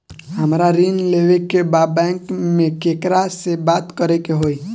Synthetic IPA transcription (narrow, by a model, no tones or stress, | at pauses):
ɦəmɾaɾiːnleːʋekebaːbɛ̃ːŋkmẽkeːkɾasebaːt̪kəɾekeɦoːiː